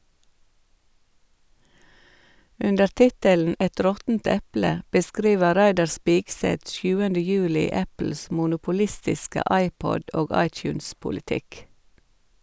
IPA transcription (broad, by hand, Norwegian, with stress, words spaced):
ˈʉndəɾ ˈtɪtəln̩ ˈɛt ˈɾɔtn̩t ˈɛplə bəˈskɾiːʋə ˈɾæɪdɑɾ ˈspiːɡˌsɛt ˈsjʉːəndə ˈjʉːlɪ ˈæpl̩s mʊnʊpʊˈlɪstɪskə ˈɑɪˌpɔd ˈoːɡ ˈɑɪˌtjʉːnspʊlɪˌtɪk